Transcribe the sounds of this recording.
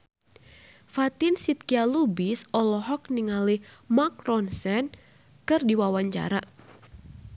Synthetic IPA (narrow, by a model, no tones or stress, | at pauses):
fat̪ɪnsit̪̚kialubisɔlɔɦɔk̚niŋalimakrɔnsɛn | kɨrdiwawaɲt͡ʃa̰ɾa